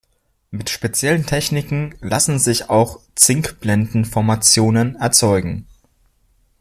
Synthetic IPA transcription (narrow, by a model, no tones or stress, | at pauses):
mɪtʃpet͡sjɛləntʰɛçnɪkŋ̩lasn̩zɪçaʊxt͡sɪŋkb̥lɛndn̩fɔɐmat͡sjoːnənɛɐt͡sɔʏɡŋ̩